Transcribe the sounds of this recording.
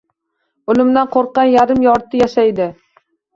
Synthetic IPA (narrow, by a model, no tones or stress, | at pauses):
ʊlˠɪmd̪anqʰoɾqːɑnjaɾɪmjɒɾt̪ʰɪjaʃajd̪ɪ